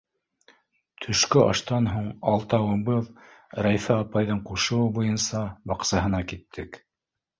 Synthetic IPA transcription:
t̪ʰɵ̆ʃkɵʔɑ̰ʃt̪ɑnɦuɴɑlˠt̪ɑwɤ̆bɤðɾæjfæɑpɑjðɤɴquʃɤ̆wɤbujɤnsɑbɑqsɑɦɤ̆nɑkit̪ʰːɘk

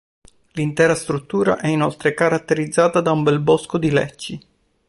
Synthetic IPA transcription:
lint̪ɛːɾast̪ɾut̪ːuːɾa̰ʔɛinɔlt̪ɾekaɾat̪ːeɾid̪zːaːt̪ad̪aumbɛlbɔskod̪ilɛ̰t͡ʃːi

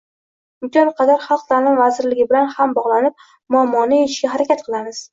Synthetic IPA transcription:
ʊmk̪ʲɒnqʰɑd̪aɾχɑlˠq̚t̪ʰalɪmvazɪɾlɪɡʲɪbɪlanhambɒʁlˠanɪp̚ | mʊamːɒnɪjeʃɡʲaɦaɾakʲat̪̚qʰɨlˠamɪz̥

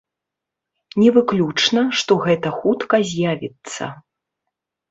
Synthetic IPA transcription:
nʲɛvɨklʲut͡ʂnɐʂt̪ɔɣɛt̪ɐxut̪kɐzʲjavʲit̪sːɐ̰

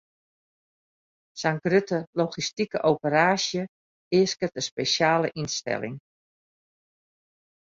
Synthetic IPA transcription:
saŋɡrøtəloxistikəʔowpəraːʃjə | ɪəskətəspesjaːləʔinstɛ̰lɪ̰ŋ

